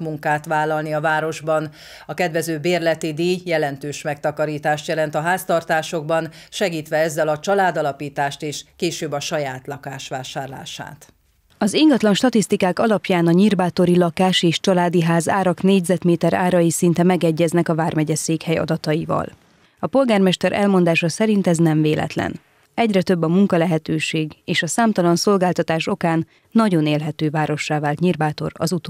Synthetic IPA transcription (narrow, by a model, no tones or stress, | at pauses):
muŋkaːt̪ʋaːlːɒlniɒvaːɾo̞ʒbɒn | ɒkɛd̪ʋɛzøːbeːrlɛt̪id̪iːjːɛlɛnt̪øːʃmɛk̚t̪ɒkɒɾiːt̪aːʃt̪jɛlɛnt̪ɒɦaːst̪ɒrt̪aːʃo̞ɡ̚bɒnʃɛɡiːt̪ʋɛɛzːɛlɒt͡ʃɒlaːd̪ɒlɒpiːt̪aːʃt̪eːʃkeːʃøːbɒʃɒjaːt̪lɒkaːʃʋaːʃaːrla̰ːʃa̰ːt̪ | ɒziŋɡɒt̪lɒnʃt̪ɒt̪ist̪ikaːkɒlɒpjaːnɒɲirbaːt̪o̞ɾilɒkaːʃeːʃt͡ʃɒlaːd̪iɦaːzaːɾɒkneːɟzɛt̪meːt̪ɛɾaːɾɒjisint̪ɛmɛɡɛɟːɛznɛkɒvaːrmɛɟɛseːkhɛjɒ̰d̪ɒt̪ɒjivɒ̰l | ɒpo̞lɡaːrmɛʃt̪ɛɾʔɛ̰lmo̞nd̪aːʃɒsɛɾint̪ɛznɛɱveːlʔɛ̰t̪lɛ̰n | ɛɟrɛt̪ø̞bːɒmuŋkɒlɛɦɛt̪øːʃeːɡeːʃɒsaːmt̪ɒlɒnso̞lɡaːlt̪ɒt̪aːʃo̞kaːnː | ɒɟo̞neːlɦɛt̪øːvaːɾo̞ʃːaːvaːlt̪ɲirbaːt̪o̞̰ɾɒ̰zut̪ː